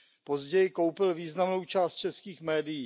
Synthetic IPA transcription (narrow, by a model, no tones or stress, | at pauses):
po̞zɟɛjɪko̞wpɪlviːznamnowt͡ʃaːst̪̚t͡ʃɛskiːxmɛːdɪjiː